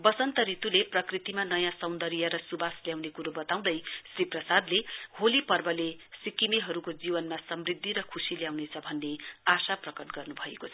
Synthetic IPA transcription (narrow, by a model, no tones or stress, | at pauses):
bʌsʌnt̪ʌɾit̪uleprʌkrit̪imanʌjãsʌwnd̪ʌɾijʌɾʌsubasljawnekuɾobʌt̪aw̃d̪ʌjsriprʌsad̪leholipʌrbʌlesikimiɦʌɾukod͡zibʌnmasʌmrid̪ʱːiɾʌkʰusiljawnet͡sʰʌbʱʌnːeasaprʌkʌʈɡʌrnubʱʌekot͡sʰ